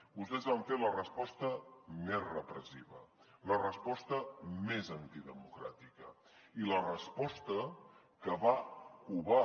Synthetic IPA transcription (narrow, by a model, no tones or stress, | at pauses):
bust̪ɛzβaɱfelərəspɔst̪əmezrəpɾəsiβə̰ | lərəspɔst̪əmezənt̪iðəmukɾa̰t̪ikə | ilərəspɔst̪ə | kəβakuβa